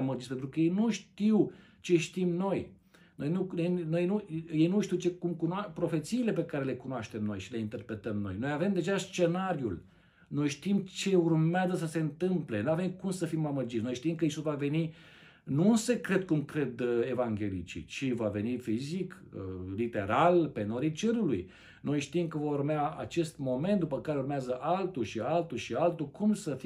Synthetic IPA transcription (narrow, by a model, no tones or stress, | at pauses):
məd͡ʒit̪spent̪ɾukəjejnuʃt̪iw | t͡ʃe̞ʃt̪imno̞j | no̞jnunojnojnuje̞jnuʃt̪iwt͡ʃe̞kumkunapɾo̞fe̞t̪siːle̞pe̞kaɾe̞le̞kunoaʃt̪emno̞jʃileint̪e̞rpɾe̞t̪əmno̞̰jno̞jave̞md̪e̞ʒast͡ʃe̞naɾjul | no̞jʃt̪imt͡ʃe̞urmeazəs̬əse̞ɨnt̪ɨmple̞nuave̞mkumsəfimaməd͡ʒit̪sʲno̞jʃt̪imkəisusvave̞ni | nuse̞kɾe̞d̪̚kumkɾe̞d̪e̞vaŋɡʲe̞lit͡ʃḭt͡ʃivave̞nifiziklit̪e̞ɾalpe̞noɾit͡ʃeɾuluj | no̞jʃt̪imkəvomurmeaa̰t͡ʃe̞st̪mo̞ment̪̚d̪upəkaɾeurmeazəʔalt̪ulʃialt̪ulʃialt̪ulkumsəfi